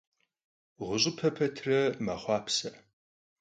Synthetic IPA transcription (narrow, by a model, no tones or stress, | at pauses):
ʁʷʊɕʼɪpʰɐpʰɐtʰrɐmɐχʷɑːpʰsɐ